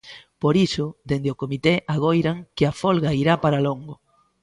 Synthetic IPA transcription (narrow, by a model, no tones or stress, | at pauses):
poɾisʊd̪end̪ɪokomit̪eʔaɣojɾaŋkɪafolɣaiɾapaɾaloŋɡo